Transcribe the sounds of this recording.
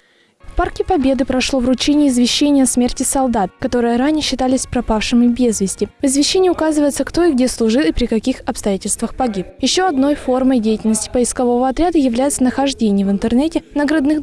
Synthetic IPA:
fparkʲɪpɐbʲe̞d̪ɨpɾɐʂlˠo̞vrʊt͡ɕenʲɪːzvʲɪɕːenʲɪjəɐsmʲertʲɪsɐlˠd̪at̪̚kɐt̪o̞ɾɨjəɾanʲɪjəɕːɪt̪alʲɪsʲpɾɐpafʂɨmʲɪbʲe̞zvʲɪsʲtʲɪvɪzvʲɪɕːenʲɪjəʊkazɨvəjɪt̪səkt̪o̞ɪɡ̚dʲeslˠʊʐɨlˠɪpɾʲɪkɐkʲixɐpst̪ɐjætʲɪlʲst̪vəxpɐɡʲipjɪɕːo̞ɐd̪no̞jfo̞rməjdʲejɪtʲɪlʲnəsʲtʲɪ̥pəɪskɐvo̞vəɐt̪ɾʲad̪əjɪvlʲæjɪt̪sənəxɐʐdʲenʲɪjəvɨnt̪ɨrnɛtʲɪnəɡɾɐd̪nɨx

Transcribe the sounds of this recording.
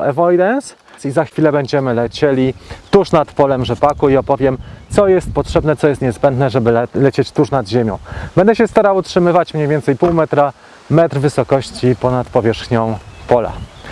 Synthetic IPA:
ɛvɔjd̪ɛns | sizaxfʲilɛbɛɲd͡ʑɛmɘlɛt͡ɕɛlʲit̪uʂnat̪pɔlɛmʐɛpakuiɔpɔvʲjɛmt̪sɔjɛst̪̚pɔtʂɛbnɛt̪sɔjɛst̪ɲɛzbɛnd̪nɛʐɛbɘlɛt͡ɕet͡ɕt̪uʂnad̪ʑemʲjɔ̰̃w̃b̥ɛnd̪ɛɕɛst̪aɾawutʂɘmɘvat͡ɕmɲejvʲjɛnt̪sɛjpuwmɛt̪ɾa | mɛt̪ɾvɘsɔkɔɕt͡ɕipɔnat̪pɔvʲjɛʂxɲɔ̃w̃pɔla̰

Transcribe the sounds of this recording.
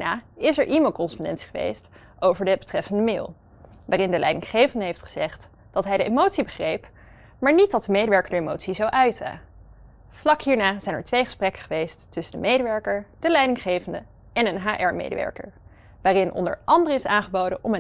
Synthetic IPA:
naːɪsɛɹʔimeɪlˠkɔnəspɔndɛ̰ntsi̥χəʋḛjst | ʔowvəɹdəbətrɛfəndəmɪ̰ːlˠ | ʋaːrɪndəlʔɛ̰jdɪŋχejvəndəɦejftχə̥z̥ɛχt | d̥ɑtɦɛjdəʔḛmowtsibəχrejp | maːɹnit̚dɑt̚dəmejdəʋɛɹkəɹdəemo̰wtsizowʔœɥtə̰ | v̥lɑkɦiːɹnaːzɛjnɛ̰ɹtʋejχə̥sprɛkə̥χəʋejstːʏsəndəmejdəʋɛɹkəɹd̥əlɛjdɪŋχejvəndə | ɛnənɦaːʔɛɹmḛjdə̰ʋɛ̰ɹkə̰ɹ | ʋaːrɪnʔɔ̰ndə̰ɹʔɑndərəɪsaːnχəbowdəʔɔmə

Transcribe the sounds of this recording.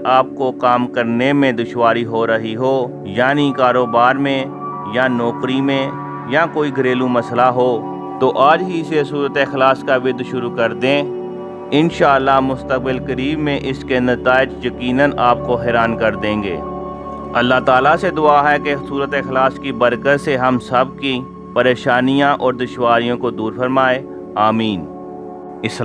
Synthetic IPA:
aːp̚kokaːmkɐɾnemẽd̪ʊʃwaːɾiɦoɾɐɦiɦoː | jaːnikaːɾoːbaːɾmẽ | janɔːqɾimẽ | jakoːiɡʱɐɾeːlũmɐslaɦoː | t̪oʔaːd͡ʒɦiɪsesuːɾət̪eɪxlaːskaʋɪd̪ʃʊɾukɐɾd̪ẽː | ɪnʃaːəlːamʊst̪ək̚bɪlkəɾiːbmẽʔɪskenɐt̪aːɪd͡ʒjɐkiːnənʔaːp̚koɦɛːɾaːnkɐɾd̪ẽːŋɡḛː | ɐlːaɦt̪aːlased̪ʊaːɦɛkesuːɾət̪eɪxlaːskibɐɾkəɾseɦɐmsɐb̚ki | pɐɾeːʃaːnijãʔɔːɾd̪ʊʃwaːɾijõkod̪uːɾfɐɾmaːeː | aːmiːn | ɪs

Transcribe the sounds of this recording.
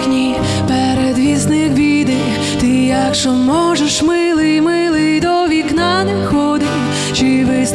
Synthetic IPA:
nʲi | pɛɾɛd̪ʋʲiznɪkbʲid̪ɪ | t̪ɪjakʃɔmɔʐɛʃmɪlˠɪmɪlˠɪd̪ɔʋʲiknɑnexɔd̪ɪ | t͡ʃiʋɪs

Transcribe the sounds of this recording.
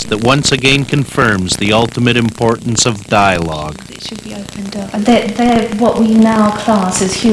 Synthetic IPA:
ðɨt̚wʌ̃nsɨɡɛ̃nkʰɨ̃ɱfɜ̃˞mzðiʌlˠtəmɨɾɨ̃mpʰɔɹʔn̩sʌvdaɪəlɔɡ̥ | ʃɨd̚bioʊpɨ̃ndʌðəðəwʌʔwinaʊkʰl̥ɑˑsɪz̥hjʉ

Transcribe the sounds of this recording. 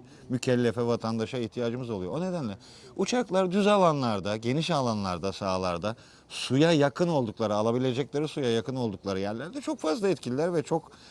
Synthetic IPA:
mycʰɛlʲːefɛvat̪ʰand̪aʃaiçt̪ʰijaːd͡ʒɯmɯzo̞lˠujo̞one̞d̪ænlʲɛ | ut͡ʃʰaklˠaɾd̪yzalˠanlˠaɾd̪aɟe̞niʃalˠanlˠa̰ɾd̪asaːlˠa̰ɾd̪a | sujajakʰɯno̞lˠd̪uklˠaɾɯalˠabilʲe̞d͡ʒɛclʲeɾɯsujajakɯno̞lˠd̪uklˠaɾɯjæɾlʲæɾd̪ɛt͡ʃʰo̞kfazlˠaɛt̪cʰilʲilʲæɾvɛt͡ʃʰo̞k

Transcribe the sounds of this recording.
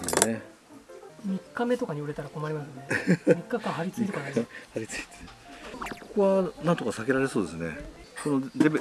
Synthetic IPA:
ene | mʲikːame̞t̪o̞kaɲ̟ioɾet̪aɾako̞maɾʲimasɨnemʲikːakãɦaɾʲit͡sɨit̪okanahaɾʲit͡sɨ̥i̥t̪ʰe̥ | koko̞βanãnt̪o̞kasake̞ɾaɾe̞so̞ːd̪e̞sɨne̞̰konod̪e

